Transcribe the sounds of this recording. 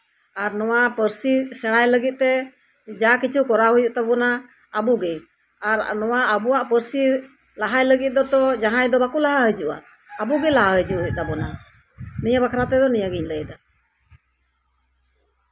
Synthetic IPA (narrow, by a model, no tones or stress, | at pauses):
aɾnɔwapəɾsisɛɽ̃ajləɡit̪̚t̪ɛ | d͡ʒakit͡ʃʰukɔɾaɦujuʔt̪abɔnaː | buɡɛj | aɾnɔwaʔːbuwaʔpəɾsi | laɦajləɡit̪̚ˀd̪ɔt̪ɔd͡ʒaɦajd̪ɔbakulaɦaɦəd͡ʒuʔa̰ː | buɡɛlaɦaɦəd͡ʒuʔɦuʔ̚t̪abɔna | niɲabakʰaɾat̪ɛd̪ɔniɲaɡiɲləjd̪a